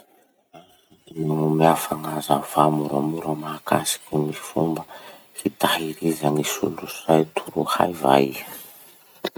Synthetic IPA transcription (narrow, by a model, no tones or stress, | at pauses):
a | nuŋumiafaŋazav̥amuɾamuɾəmaka̰si̥kʲumifumbə | fit̪ahiɾizaŋisṵlusajt̪ʰuɾuha̰jva̰j